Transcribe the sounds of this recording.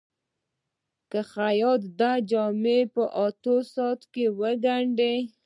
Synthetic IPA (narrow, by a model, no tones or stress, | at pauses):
kaxajɑd̪d̪ad͡ʒɑmepəʔɑt̪osɑt̪kewəɡaɳɖe